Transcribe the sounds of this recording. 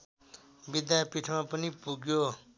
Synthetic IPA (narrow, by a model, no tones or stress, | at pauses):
bɪd̪jaːjpiʈʰmãːpənipuɡjoː